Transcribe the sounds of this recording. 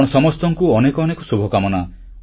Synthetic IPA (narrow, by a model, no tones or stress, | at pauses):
ɽɔsɔmɔst̪ɔŋkuɔnekɔːnekɔsubʱɔkamɔna